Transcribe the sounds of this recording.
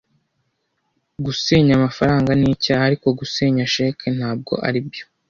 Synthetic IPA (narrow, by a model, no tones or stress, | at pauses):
ɡuseːɲamafaɾaːŋɡaniːcaaɾiko̞ɡuseːɲaʃe̞ːkʰenhaːb̚ɡo̞̰ʔa̰ɾibɟo̞